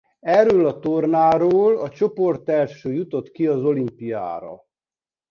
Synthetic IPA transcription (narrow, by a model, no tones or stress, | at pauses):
ɛɾøːlɒt̪o̞rnaːɾoːlɒt͡ʃo̞po̞rt̪ɛlʃøːjut̪o̞t̪kiɒzo̞limpija̰ːɾɒ̰